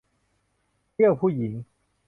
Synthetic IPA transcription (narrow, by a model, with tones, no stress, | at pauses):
i˥˩əwpʰuː˥˩ji˩˦ŋ